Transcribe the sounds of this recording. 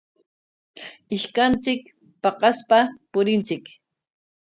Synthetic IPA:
ɪʃkant͡sɪk | pɑqɑspapʊɾɪnt͡sɪk

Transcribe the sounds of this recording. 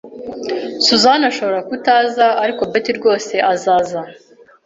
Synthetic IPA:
suzanaʃo̞βo̞ɾakutaːzaːɾiko̞betiɾɡo̞ːse̞ʔazaːza

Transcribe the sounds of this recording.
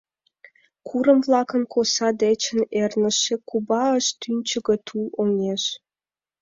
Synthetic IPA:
kʰuɾə̆mvlɑkə̆nkʰosɑd̪et͡ɕə̆nernə̆ʃĕkubɑəʃt̪ynʲt͡ɕə̆ɣɤ̆t̪ʰuoŋeʃ

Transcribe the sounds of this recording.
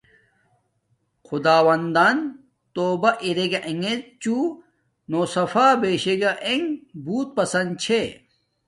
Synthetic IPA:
xud̪aːwɐnd̪aːn | t̪oːbɐʔiɾeɡaʔeŋet̪̚t͡ɕu | nosɐfaːbeːɕeɡaʔeŋbuːt̪̚pɐsɐnd̪t͡ɕʰe

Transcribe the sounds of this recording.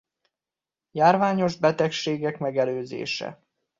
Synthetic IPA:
jaːrvaːɲo̞ʒbɛt̪ɛkʃeːɡɛkmɛɡɛløːzḛːʃɛ̰

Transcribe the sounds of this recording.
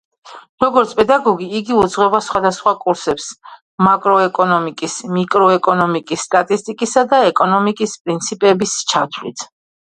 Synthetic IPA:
ɾɔɡɔɾt̪sʰpʼɛd̪aɡɔɡiːɡiud̪zʁwɛbasχwad̪asχwakʼuɾsɛps | makʼɾɔɛkʼɔnɔmikʼismikʼɾɔɛkʼɔnɔmikʼisːt̪ʼat̪ʼist̪ʼikʼisad̪aɛkʼɔnɔmikʼispʼɾint̪sʰipʼɛbist͡ʃʰat̪ʰlḭt̪ʰ

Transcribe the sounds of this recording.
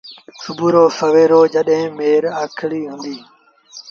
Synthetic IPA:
sʊbʱuːɾoːsəʋeːɾoːd͡ʒəɗɦẽːmeːɾaːkʰɪɭiːɦʊ̃ːnd̪iː

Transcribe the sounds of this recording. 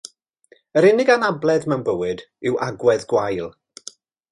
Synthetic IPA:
əɾɪnɪɡanablˠɛðmɛwnbəwɨd | ɪwʔa̰ɡwɛðɡwajlˠ

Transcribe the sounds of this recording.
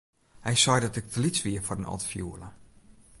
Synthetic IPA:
hɛjsɔjdɔtɛk̚tʰəlit͡sʋiəfɔrənɔ̰tfjuələ

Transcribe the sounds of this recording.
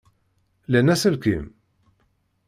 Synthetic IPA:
lænæsəlkḭm

